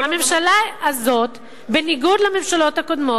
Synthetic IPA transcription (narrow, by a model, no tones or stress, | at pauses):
hame̞mʃalaːzo̞t̪ | beniɡud̪lame̞mʃalo̞thakod̪mo